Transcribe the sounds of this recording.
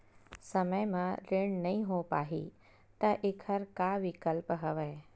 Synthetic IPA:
sɐməjmãɾɪɽ̃nɐɦĩɦopaːɦḭ | t̪ɐʔɪkʰəɾkaʋɪkəlpɦɐʋəe

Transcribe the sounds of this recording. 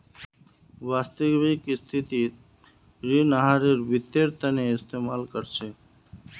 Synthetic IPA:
ʋaːst̪əɡʋikist̪ʰit̪i | ɾinəɦaɾeɾʋɪt̪ːeɾt̪əneɪst̪eːmaːlkəɾt͡ʃʰeː

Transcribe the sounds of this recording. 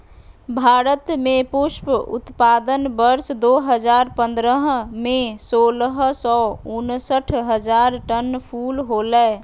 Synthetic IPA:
bʱaɾət̪mepuʃpṵt̪pad̪ənbəɾsd̪oɦəd͡ʒaɾpə̃nd̪ɾəɦmesoləɦsɔʊnsəʈʰɦəd͡ʒaɾʈənpʰulɦolɛ

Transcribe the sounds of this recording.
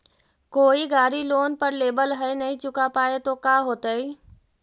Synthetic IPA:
koːiɡaːɾiloːnpɐɾleːbəlɦɐenɐɦĩt͡ʃʊkapaːet̪okaːɦoːt̪aiː

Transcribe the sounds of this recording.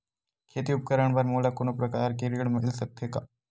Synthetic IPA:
kʰeːt̪iʊp̚kəɾəɳ̃bɐɾmoːlakonopɾɐkaːɾkeɾiɽmẽʔɪlsək̚t̪ʰeka

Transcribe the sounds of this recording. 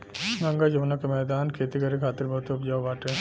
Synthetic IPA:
ŋɡɐŋɡad͡ʒɐʋnɐkemɛːd̪aːnkʰeːt̪ikɐɾekʰaːt̪ɪɾbʱɐt̪oɐpd͡ʒaːʋʋaːʈe

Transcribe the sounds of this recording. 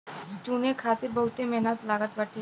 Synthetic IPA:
t͡ʃunekʰaːt̪iɾbəɦut̪emɛɦnət̪laːɡət̪ʋaʈʰe

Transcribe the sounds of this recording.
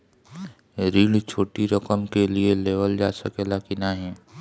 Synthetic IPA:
ɾiːɽt͡ʃʰoːʈiɾəkəmkelieleːʋəld͡ʒaːsəkelakinaɦɛ̃ː

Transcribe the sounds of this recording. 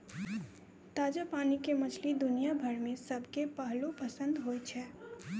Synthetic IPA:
t̪ad͡ʒapanikemət͡ʃʰlid̪unijabʱəɾmesəbʱkepəɦlopəsə̃nd̪ɦojt͡ʃʰɛ

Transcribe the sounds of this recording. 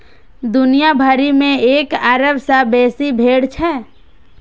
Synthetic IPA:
d̪ʊnijabʱaːɾimẽeːkaːɾəbsabeːsibʱeːɽt͡ʃʰɛ

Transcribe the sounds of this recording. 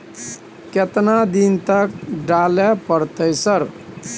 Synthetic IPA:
ket̪nad̪int̪ək̚ɖalepəɾt̪əjsəɾ

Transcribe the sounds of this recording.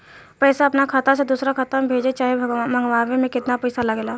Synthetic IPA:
pɛːsaɐpnakʰat̪ãsed̪uːsɾakʰɐt̪əmbʱeːd͡ʒet͡ʃaːɦemɐ̃ŋɡʋaːʋemẽkɪt̪napɛɪsalɐɡelaː

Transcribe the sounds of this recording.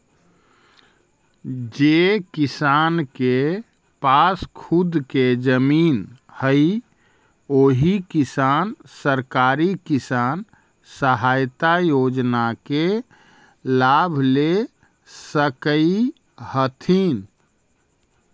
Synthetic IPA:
d͡ʒekisanke | paskʰud̪ked͡ʒəmin | həj | oɦikisansəɾkaɾikisan | səɦajt̪ajod͡ʒnake | labʱle | səkəi | hət̪ʰin

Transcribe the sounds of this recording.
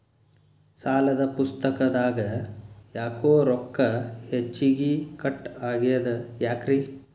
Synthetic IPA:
saːlɐd̪ɐpust̪ɐkɐd̪aːɡɐjaːkoːɾɔkːɐhet͡ʃːiɡikɐʈːaːɡijɐd̪ɐjaːkɾi

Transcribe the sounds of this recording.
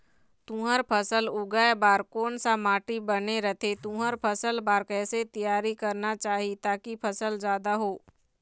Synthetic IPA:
t̪ũːɦəɾpʰəsəlʊɡaebaːɾkoːnsamaːʈibɐneɾɐt̪ʰet̪ũːɦəɾpʰəsəlbaːɾkɛːset̪ijaːɾikɐɾnat͡ʃaːɦit̪aːkipʰɐsəlzjaːd̪aɦoː

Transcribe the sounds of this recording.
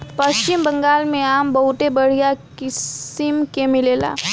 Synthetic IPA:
pɐst͡ʃɪmbə̃ŋɡaːlmẽaːmbɐɦʊt̪ebɐɽ̤ijakɪɪmkemɪleːla̰ː

